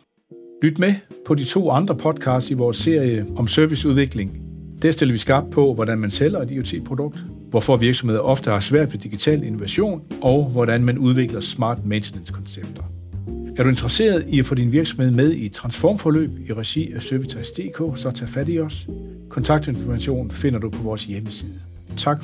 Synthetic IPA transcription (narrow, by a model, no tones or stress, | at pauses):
lyd̥mepʰɒ̽dit͡sʰo̝̰ːɑ̈nd̥ʁɐpʰɒ̽d̥̚kʰɑ̈ːsd̥iʋɒːsːe̝ɐ̰jəɒ̽msøɐʋisuð̞ˠʋe̝ɡ̥le̝ŋd̥æɐsd̥e̝lɐʋisɡ̥ɑ̈b̥̚pʰɒ̽ʋɒɾænmænsel̰ɐe̝d̥io̝t͡sʰe̝̰ːpʰʁo̝d̥ɔ̽ɡ̥̚d̥ | ʋɒfɒʋiɐɡ̥sɒmhe̝ð̰ˠɐɒ̽fd̥əhɑ̈sʋæɐ̰d̥ʋe̝d̥iɡ̥it͡sʰɛ̰ːlino̝ʋæɕo̝̰ːnʔɒ̽ʊʋɒɾænmænuð̞ˠʋe̝ɡ̥lɐsmɑ̰̈ːd̥ment͡sʰenenskʰɒ̽nseb̥̚d̥ɐ | æɐɾue̝nd̥ʁɐse̝̰ːɐðˠiæfɔ̰ːd̥inʋiɐɡ̥sɒ̽mhe̝ð̰ˠmeð̞ˠit͡sʰʁɑ̈nsfɒ̰ːmfɒ̽lø̰ːb̥iʁæsiæsøɐʋit͡sʰɑsd̥e̝̰ːkʰo̰ːsɒ̽t͡sʰɛ̰ːfæd̥iɒ̽s | kʰɒ̽nt͡sʰɑ̈ɡ̥̚d̥e̝nfɒmæɕo̝̰ːn̩fe̝n̰ɐd̥upʰɒ̽ʋɒːsjeməsiːðˠə | t͡sʰɑ̈ɡ̥